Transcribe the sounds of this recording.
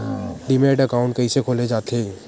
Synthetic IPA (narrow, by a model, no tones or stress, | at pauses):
ɖimeːɖəkaːʊ̃ɳʈkɐɦĩsekʰoːled͡ʒaːt̪ʰeː